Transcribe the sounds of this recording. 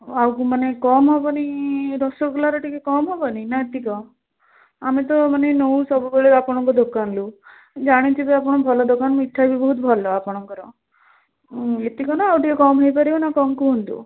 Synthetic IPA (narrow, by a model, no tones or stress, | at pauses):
awkumanekɔmɦɔbɔniɾɔsɔɡlaɾɔʈikekɔmɦɔbɔninaet̪ikɔ | amit̪ɔmanenowsɔbubeɭeɾapɔɽ̃ɔŋkɔd̪okanlu | d͡ʒaɽ̃it͡ʃʰibiapɔɽ̃ɔbʱɔlɔd̪okanmiʈʰːajbʱibɔɦut̪bʱɔlɔapɔɽ̃ɔŋkɔɾɔ | et̪ikɔnaːwʈikekɔmɦɔjpaɾibanakɔmkuɦunt̪ṵ